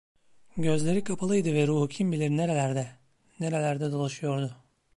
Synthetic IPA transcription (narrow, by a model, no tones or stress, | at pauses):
ɟø̞zlʲe̞ɾikʰapʰalˠɯjd̪ɯvɛɾuːhucʰimbilʲeɾineɾelʲæɾd̪ɛ | neɾelʲæɾd̪ɛd̪o̞lˠaʃɯjo̞ɾd̪ʊ